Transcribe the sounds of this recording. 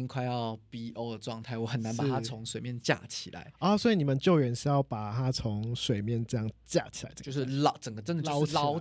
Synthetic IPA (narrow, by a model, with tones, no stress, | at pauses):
ŋkʰwa˥˧ɪjɑ˥˨ʊpi˥ʔo˥˧ʊd̪ə˨˩ʈ͡ʂwɑ˥˧ŋt̪ʰa˥˩ɪwɔ˨˧˦xə˨˩na˧˦npa˨˩a˥t͡sʰʊ˧˦ŋswe˨ɪmjɛ˥˧nt͡ɕja̰˥˧˩t͡ɕʰḭ˨˩la̰˧˦ɪɔ˥˦swɔ˧˥i˨˩ni˨˩mə˨˦nt͡ɕjo˥˩ʊɥɛ˧˥nɕ̩˧˥jɑ˥˩ʊpa˨˩t̪ʰa˦˥t͡sʰo˧˦ŋswe˨˩ɪmjɛ˥˨nɤ˥˧jɑ˥˨ŋt͡ɕja̰˥˩t͡ɕʰi̥˨a˧˦ɪʈ͡ʂə̥˥˧o˥˧ʂɻ̩˥˩lʈ͡ʂə˨˩ŋɡə˩ʈ͡ʂə˧˥nd̪ə˨˥˧ʊ˥la˥˦ʊ